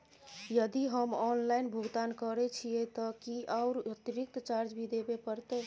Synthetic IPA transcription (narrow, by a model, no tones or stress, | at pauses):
jəd̪iɦəmɔnlainbʱuɡt̪ankəɾɛt͡ʃʰijɛt̪əkiʔaʊɾət̪iɾik̚t̪t͡ʃaɾd͡ʒbʱid̪ebepəɾt̪ɛ